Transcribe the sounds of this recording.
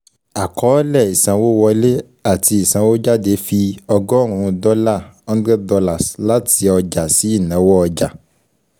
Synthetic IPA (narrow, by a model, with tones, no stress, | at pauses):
a˨kʰɔ˨˦lɛ˦˨i˨sã˨˦wo˦wɔ˧le˦ | a˦˨ti˧i˨sã˨˦wo˦d͡ʒa˦de˨˦fi˧ɔ˧ɡɔ˦˨ɾ̃ũ˧dɔ˦la˦˨n̩˦dɾɛ˦dɔ˧la˦˨sla˦ti˧ɔ˧d͡ʒa˨si˨˦i˦˨nã˨˦wɔ˦ɔ˧d͡ʒa˨